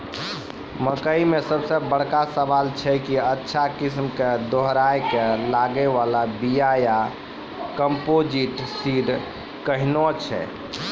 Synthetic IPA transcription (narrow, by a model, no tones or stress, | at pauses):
məkəimesəbsə̃bəɽ̤kasəbalt͡ʃʰɛkiətːʃʰakis̬mked̪oɦɾajkelaɡɛʋalabijaja | kəmpod͡ʒiʈsiɾ | kəɦnɔt͡ʃʰɛ̰